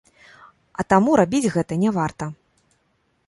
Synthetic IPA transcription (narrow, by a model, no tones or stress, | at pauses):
ɐt̪amuɾabʲid͡zʲɣɛt̪ɐnʲɛvart̪ɐ